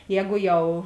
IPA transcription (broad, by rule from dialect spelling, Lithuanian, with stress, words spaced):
ˈjɛːɡʊ ˈjɛʊ